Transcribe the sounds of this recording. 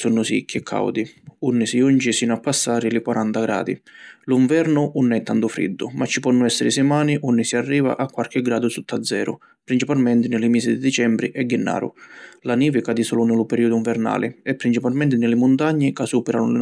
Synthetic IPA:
sunːʊsḭkʰːɛkʰːa̰wd̪iunːɪsiunt͡ʃisiːnʊapːasːaːɾɪlɪkwaɾʔant̪aɡɾa̰ːd̪ḭliɱvɛɾnʊʔunːɛt̪ːant̪ʊfɾḭd̪ːʊ̰mʔat͡ʃːi̥pɔnːʊɛsːɪɾɪsɪmaːniʔunːɪsiarːiːva̰ʔakwaɾk̟ɪɡɾaːd̪ʊsut̪ʰːad̪zːɛ̰ːɾʊ̰ | pɾint͡ʃipalmɛnt̪ɪnɪlɪmiːsid̪ɪd̪it͡ʃɛmbɾḭʔɛɡːɪnːa̰ːɾʊ̰laniːvɪkaːd̪isɔlʊnɪlʊpɛɾiːʊd̪ʊiɱvɛɾna̰ːlʔɪ̰ɛpːɾint͡ʃipalmɛnt̪ɪnɪlɪmʊnt̪aɲːɪkasuːpɛɾanʊnɪ

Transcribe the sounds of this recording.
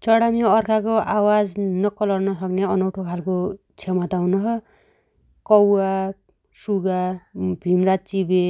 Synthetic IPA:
t͡sʌɽamiʌrkʰakoʔawad͡znʌkʌlʌrnʌsʌkneʌnʌwʈʰokʰalko | t͡sʰemat̪awunʌɦʌ | kʌwa | suɡabʱimrat͡sibe

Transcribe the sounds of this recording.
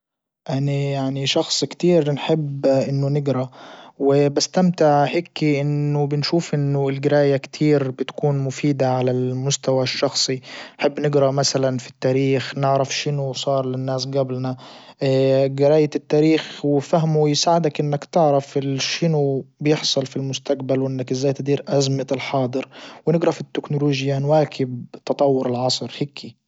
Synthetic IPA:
ʔanajaʕniʃɑxsˤkt̪iːɾnħɪbːʔɪnːʊnɪɡɾawɪbast̪amt̪ɪʕhekːiʔɪnːʊbɪnʃuːfʔɪnːʊɪlɡɪɾaːjakt̪ʰiːɾbɪt̪kuːnmʊfiːd̪aʕalalmʊst̪awaʃːɑxsˤinħɪbːnɪɡɾamasalanfi̥t̪ːaːɾiːxnɪʕɾafʃɪnʊsˤɑːɾˤlɪnːaːsɡablna | ɡɪɾaːjt̪ɪt̪ːaːɾiːxwɪfaɦmuwjɪsaːʕɪd̪akʔɪnːakt̪ɪʕɾafʃɪnʊbjɪħsˤɑlfilmʊst̪aqbalwʔɪnːakʔɪzːaːjt̪ɪd̪iːɾʔazmɪɪlħɑːd̪ˤɨɾwnɪɡɾɑfit̪ːɪknʊloːʒjanwaːkʰɪbt̪ɑt̪ˤɑwːʊɾɪlʕɑsˤɾheːkʰi

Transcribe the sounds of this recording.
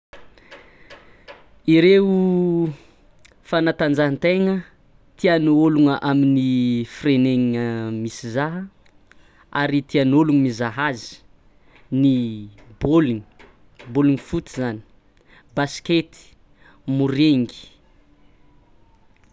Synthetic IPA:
iɾeu | fanat̪and͡zaɦant̪eŋə | t̪ianuoluŋəʔaminifireneŋiŋəmisizaɦə | aɾit̪ianoluŋəmizaɦazi̥ | niboluŋ | boluŋifut̪izani̥ | basket̪i̥ | muɾeŋɡi̥

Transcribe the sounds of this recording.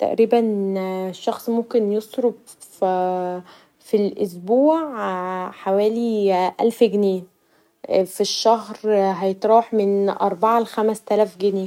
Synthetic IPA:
t̪æ̰ʔɾiːbænʃːɑxsˤmomkenjesˤɾob̚ | filʔos̬buːʕħawæːliʔælfɡneː | fiʃːæhɾɦæjet̪ˤɾˤɑːħmenʔɑ̰ɾˤbɑʕalexæmæst̪ælæːfɡeneː

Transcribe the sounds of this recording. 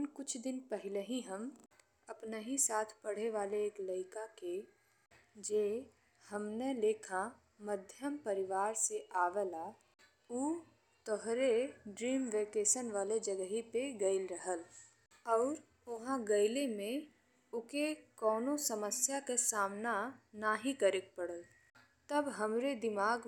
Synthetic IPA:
nkʊt͡ʃʰd̪ɪnpɛɦɪleɦiɦəm | ɐpneɦisaːt̪ʰpɐɽ̤eʋaːleeːkləɪkake | d͡ʒeː | hɐmneleːkʰa | məd̪ʱjəmpɐɾɪʋaːɾseʔaːʋela | uː | t̪ɔɦɾeɖɾiːmʋeːkeːʃənʋaːled͡ʒəɡɦipeɡəɪlɾəɦəl | ɔːɾ | ʊɦãɡəɪlemẽ | ʊkekɔːnosəməsjakesaːmnanaːɦikəɾek̚pəɽəl | t̪ɐbɦɐmɾed̪ɪmaːɡ

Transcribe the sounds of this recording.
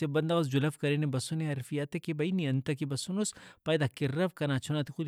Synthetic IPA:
ebɐnd̪ɐɣɐs̬d͡ʒulɐfkɐɾenebɐsuneɐɾfijat̪ekibɐiniɐnt̪ɐk̬ibɐsunuspajd̪akirɐfkɐnat͡ʃʰunat̪ixu

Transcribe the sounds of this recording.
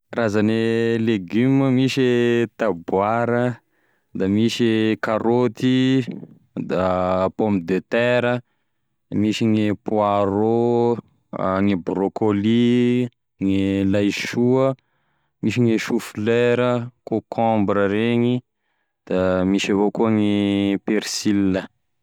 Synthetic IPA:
razaneleɡyməmiʃet̪abwaɾə | d̪amiʃekaɾot̪i | d̪apomid̪et̪ɛɾə | miʃiŋepuaɾo | ŋibɾokoli | ŋilajʃuə | miʃiŋiʃufileɾəkokʰɔ̃mbɾəɾeɲi | d̪̥amiʃavokuəŋipeɾsilːə

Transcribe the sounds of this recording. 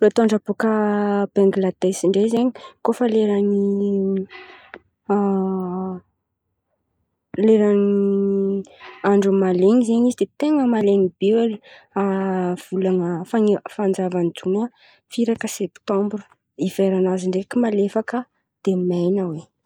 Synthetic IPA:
rot̪oaɳɖ͡ʐabokəb̥aŋɡlad̪esiɳɖ͡ʐezeɲikofəleɾani | leɾani | aɳɖ͡ʐumaleŋizeɲizid̪et̪eŋəmalenib̥ewaliav̥ulaŋəfaŋfand͡zavanid͡zunə | fiɾakəsɛpt̪ɔ̃mbɾu̥ | iveɾanaziɳɖ͡ʐekimalefakə | d̪̥emajnəwe

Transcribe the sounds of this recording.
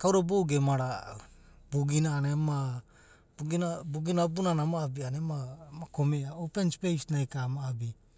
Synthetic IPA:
kawɾaboɡemaɾa | buɡinaːnema | buɡinabuɡinabunanamaːbianemamakomeaopenspejsnajkamaːbi

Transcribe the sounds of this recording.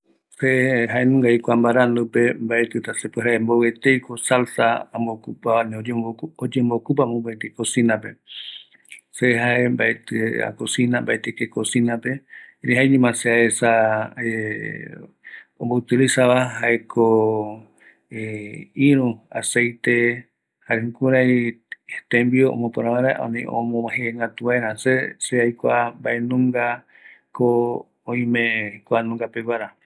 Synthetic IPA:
seɦaenũŋɡajkʷambaɾand̪upe̞mbaʔet̪ɨt̪asepweɦaembowet̪ejkosalsaambokupaaneoeood͡ʒembokup̬amõmbaet̪ekosĩnãpe̞̰ | seɦaʔe̞mbaet̪ɨa̰kosinambaet̪ekekosinãpe̞ɾeɦaeɲĩmãseaesae | õmbout̪ilisaβaɦaekʰo | eiɾũase̞jt̪e̞ | haɾekuɾaj | t̪ẽmbioʔõ̰mõpõɾ̃ãβaɾaʔõ̰nĩʔõ̰mõmãɦeŋɡat̪uaeɾãseseajkʷambaʔenũŋɡa | ko | õĩmẽjkʷanũŋɡapeɡwaɾa

